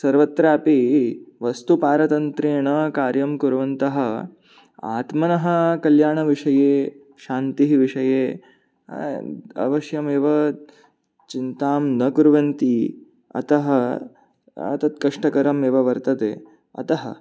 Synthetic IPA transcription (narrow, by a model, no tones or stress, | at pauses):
sɐɾʋɐt̪ɾaːpiʋɐst̪upaːɾɐt̪ɐnt̪ɾeːɳɐkaːɾjɐmkuɾʋɐnt̪ɐɦɐ̆ | a̰ːt̪mɐnɐɦɐ̆kɐljaːɳɐʋiʂɐjeː | ʃaːnt̪iɦiʋiʂɐjeː | ɐ̰ʋɐʃjɐmeːʋɐ | t͡ʃint̪aːmnɐkuɾʋɐnt̪i | ɐ̰t̪ɐɦɐ | ɐ̰t̪ɐt̪̚kɐʂʈɐkɐɾɐmeːʋɐʋɐɾt̪ɐt̪ḛː | ɐ̰t̪ɐɦɐ